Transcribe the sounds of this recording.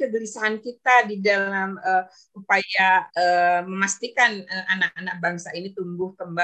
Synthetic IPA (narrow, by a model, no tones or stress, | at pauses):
kəɡəɾisaɦankit̪adidallamə | upajaəməmast̪ikanəanak̚anak̚baŋsainit̪umbʊhkəmba